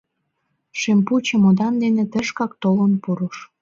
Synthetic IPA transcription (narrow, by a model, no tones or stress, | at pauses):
ʃemput͡ɕə̆mod̪ɑnd̪enĕt̪əʃkɑk̚t̪olənpuɾuʃ